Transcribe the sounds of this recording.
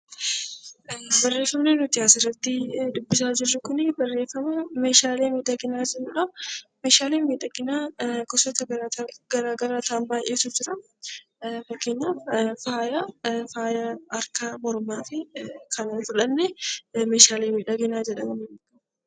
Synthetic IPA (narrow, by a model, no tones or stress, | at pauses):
bɐrːeːfːɐmnɛnʊt̪ɪjaːsɪrːɐt̪ːɪd̪ʊbːɪsaːd͡ʒɪrːʊkʊnɪbɐrːe̞ːfːɐmɐme̞ːʃaːleːmiːᶑ̪ɐɡɪnaːd͡ʒɛrɐᶑɐmeːʃaːleːmiːᶑɐɡɪnaːkɔsɔt̪ɐɡɐɾt̪ːɡɐɾaːɡɐɾaːt̪aːnbaːjʔeːsʊd͡ʒɪɾɐ | fɐkːeɲːaːffaːjɐfaːjɐːɾkaːmɔɾmaːfɪkʰɐnɐːfʊᶑɐnːɛmeːʃaːleːmiːᶑɐɡɪnaːd͡ʒɛᶑɐmɐmɐnkɐ